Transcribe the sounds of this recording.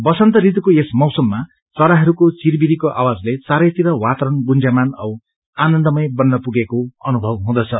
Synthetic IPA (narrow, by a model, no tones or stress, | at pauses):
bʌsʌnt̪ʌɾit̪ukoesmʌwsʌmːa | t͡sʌɾaɦʌɾukot͡sirbiɾikoʔa̰wad͡zlet͡saɾʌjt̪iɾʌwat̪ʌɾʌnɡund͡zamanʌw | anʌnd̪ʌmʌjbʌnːʌpuɡekoʌnubʱʌbɦũd̪ʌt͡sʰʌ